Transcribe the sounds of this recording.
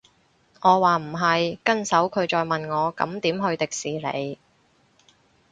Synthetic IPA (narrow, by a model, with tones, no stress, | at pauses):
ŋɔː˨˧waː˨m̩˨˩ɦɐ˨jkɐ˥nsɐ˨˥wkʰɵ˨˧ɥt͡sɔː˨jmɐ˨nŋɔː˨˧kɐ̰˨˧˥mt̪iː˨˥mɦɵ˧ɥt̪ɪ˨k̚siː˨lḛ˨˧j